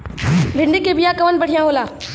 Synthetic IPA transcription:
bʱɪɳɖikebijaːkəʋənbəɽ̤ijãːɦoːlaː

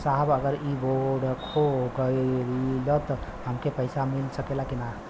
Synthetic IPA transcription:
saɦbəɡəɾiboɖkʰokəjɾilɔt̪ɔɦəmkepəɪsamilsəkelakina

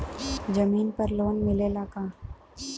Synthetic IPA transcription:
d͡ʒɐmiːnpɐɾloːnmɪlelaːkaː

